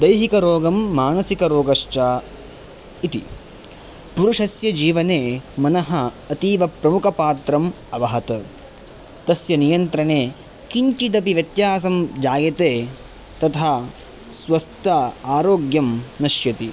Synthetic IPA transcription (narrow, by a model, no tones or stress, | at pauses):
d̪ɐjɦikɐɾoːɡɐmːaːnɐsikɐɾoːɡɐʃt͡ʃaː | it̪ḭ | puɾuʂɐsjɐd͡ʒiːʋɐneːmɐnɐɦɐ̆ | ɐt̪iːʋɐpɾɐmukʰɐpaːt̪ɾɐm | ɐʋɐɦɐt̪ɐ | t̪ɐsjɐnijɐnt̪ɾɐɳeː | kiɲt͡ʃit̪̬ɐpiʋjɐt̪jaːsɐmd͡ʒaːjɐt̪eː | t̪ɐt̪ʰaː | sʋɐst̪ɐaːɾoːɡjɐmnɐʃjɐt̪i